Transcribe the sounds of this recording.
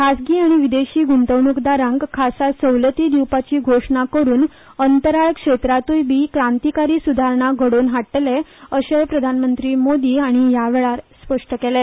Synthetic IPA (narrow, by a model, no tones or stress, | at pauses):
kʰasɡiːaɽ̃iʋid̪eɕiːɡunt̪əʋɳukd̪aɾãŋɡkʰːasasəwlət̪iːd̪iwpat͡ɕiːɡʱoʂɳakəɾuːn | ənt̪əɾaɭkʂet̪ɾat̪ujbiːkɾãnt̪ikaɾiːsud̪ʱaɾɳaɡʱəɽoːnɦaʈːleəɕepɾəd̪ʱanmənt̪ɾiːmod̪iːaɽ̃ijaʋɛɭaɾspəʂʈəkele